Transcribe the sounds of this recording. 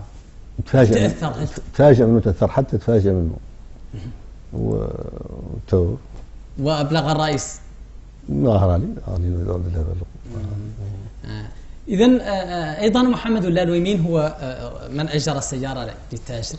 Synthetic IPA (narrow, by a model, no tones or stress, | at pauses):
t̪fæʒəæθɑɾˤt̪fæʒəʔmənːut̪ʔəθːɑɾˤħat̪ʰːæt̪fæʒəʔmənːṵ | w̰ | t̪ʰuɾ | wəʔæblɑɣɑrˤːɑʔis | nahɾˤɑliæ̰linud̪æld̪əlæbælu | ʔəðænʔɑjd̪ˤɑnmʊħamːəd̪wəlːælwiminɦʊwːæmənʔæʒɑɾˤɑsːæjːɑɾˤɑlət̪ːæʒəɾ